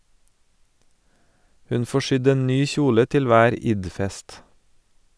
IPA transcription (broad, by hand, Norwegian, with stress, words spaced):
ˈhʉn ˈfoː ˈʃʏd ˈeːn ˈnyː ˈçuːlə ˈtɪl ˈʋæːɾ ˈɪdˌfɛst